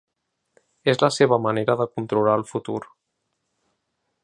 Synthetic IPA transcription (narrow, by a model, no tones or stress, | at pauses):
ezləseβ̞əməneɾəðəkunt̪ɾulaəlˠfut̪uɾ